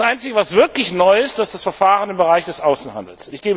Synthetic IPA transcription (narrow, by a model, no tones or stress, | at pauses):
sʔaɪnt͡sɪɡəvasv̥ɪɐklɪçnɔʏɪst̚d̥asd̥asfɛɐfaːʁənɪmbəʁaɪçd̥ɛsʔaʊsn̩ha̰ndl̩sɪçɡ̥eːbə